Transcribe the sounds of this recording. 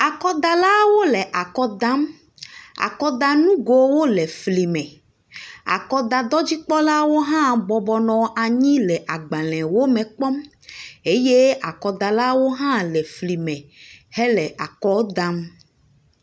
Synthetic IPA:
a˨kɔ˦d̪a˨la˦wo˦lɛ˨ʔa˨kɔ˦d̪ã˦m | a̰˨kɔ˦d̪a˨nũ˦ɡo˨wo˦lɛ˨fli˨mɛ̃˨ | a̰˨kɔ˦d̪a˨d̪ɔ˦d͡ʑi˦k͡pɔ˦la˦wo˦ɦã˦bɔ˨bɔ˨nɔ̃˨ʔa˨ɲĩ˦lɛ˨ʔa˨ɡ͡bã˨lɛ̃˨wo˦mɛ̃˨k͡pɔ˦m | e˦je˦a˨kɔ˨d̪a˨la˦wo˦ɦã˦lɛ˨fli˨mɛ̃˨hɛ˦lɛ˨ʔa˨kɔ˦d̪ã˦m

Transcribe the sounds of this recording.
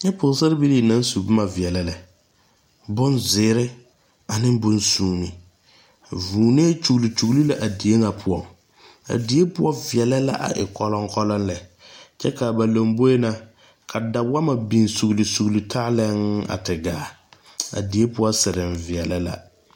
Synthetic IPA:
ɲɛ˦pʊ˨˦sɪ˦ɾɪ˦bi˦liː˦˨na˦n˦su˨bʊ˦ma˨vɪ˨ɛ˨lɛ˦lɛ˨ | bʊ˦nzɪː˨˦ɾɪ˦ | a˨nɪ˦mbʊ˦nsuː˦˨ni˨ | vuː˨ne˦t͡ʃu˨ɣli˨t͡ʃu˨ɣli˦la˨ʔa˨di˨˦e˦ŋa˨pʰʊ˨ɔ˨ŋ | a̰˨di˨˦e˦pʊ˦ɔ˦vɪ˨ɛ˨lɛ˦la̰˦ʔa̰˨ʔɪ̰˨kɔ˦lɔ˦ŋkɔ˦lɔ˦nlɛ˨ | t͡ʃɛ˦ka˨ba˨lo˨mbo˦e˦na˦ | kʰa˨da˨wa˦ma˨bi˨nsu˨ɣli˨su˨ɣli˨tʰa˦lɛ˦ŋa̰˨tɪ˨ɡaː˨ | a̰˨di˨˦e˦pʊ˦ɔ˦sɪ˨ɾɪ˨ɱvɪ˨ɛ˨lɛ˦la̰˨

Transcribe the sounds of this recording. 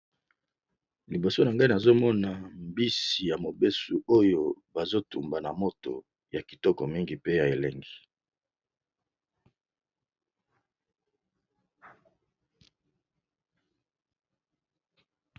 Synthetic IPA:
li˨bo˨so˦na˨ŋɡa˦i˦na˨zo˦mɔ˦na˨mbi˦si˨ja˨mo˨be˦su˨ʔo˦jo˦ba˨zo˦tu˨mba˨na˨mo˦to̰˨ | ja˨ki̥˨tɔ˦kɔ˨mi˦ŋɡi˨pe˦ja˨e˨lɛ˦ŋɡi˨

